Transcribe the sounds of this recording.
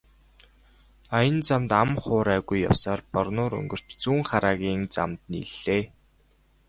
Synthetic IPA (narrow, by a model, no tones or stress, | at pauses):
ajə̆nt͡samt̪amχʊːɾæːɣujːa̰wsaːrpɔrnʊːɾɵ̰ŋɡɵ̆r̥t͡ɕt͡suːŋχaɾaːɣʲiːŋt͡sa̰mt̪nḭɮːeː